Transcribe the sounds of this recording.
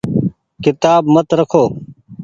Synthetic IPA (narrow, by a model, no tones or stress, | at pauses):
kɪt̪aːbmət̪ɾəkʰoː